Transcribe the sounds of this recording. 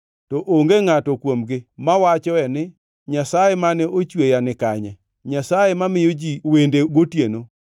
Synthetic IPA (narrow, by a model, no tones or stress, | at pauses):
tɔʔoŋɡeŋatɔkwomɡɪmawat͡ʃɔɛnɪ | ɲasajemanɛʔot͡ʃwejanɪkaɲɛ | ɲasajemamɪjod͡ʒiwendeɡotjeno